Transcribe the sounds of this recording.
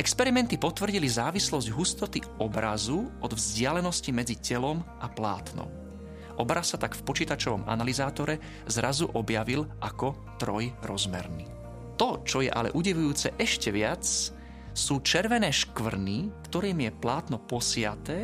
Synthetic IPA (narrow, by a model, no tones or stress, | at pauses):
ʔɛkspɛɾimɛnt̪ipɔt̪ʋr̩ɟilizaːʋislɔzɟɦust̪ɔt̪iɔbɾazuʔɔd̪vzɟɪalɛnɔscimɛd͡zicɛlɔmʔapla̰ːt̪nɔ̰m | ʔɔbɾasːat̪akfpɔt͡ʃiːt̪at͡ʃɔʋɔ̰mʔa̰nalizaːt̪ɔɾɛ | zɾazuʔɔbjaʋilʔakɔ | t̪ɾɔjɾɔzmɛ̰ɾni | t̪ɔt͡ʃɔjɛ̰ʔa̰lɛ̰ʔuɟɛʋujuːt͡sɛʔɛʃcɛʋɪat͡s | suːt͡ʃɛɾʋɛnɛːʃkʋr̩nikt̪ɔɾiːmjɛplaːt̪nɔpɔsɪat̪ɛː